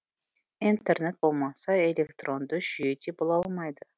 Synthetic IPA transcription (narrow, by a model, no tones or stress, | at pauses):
int̪e̞rne̞t̪̚bo̞lˠmɑsɑe̞lʲe̞kt̪ro̞nd̪əʒ̥ʏje̞d̪e̞bolˠɑlˠmɑjd̪ə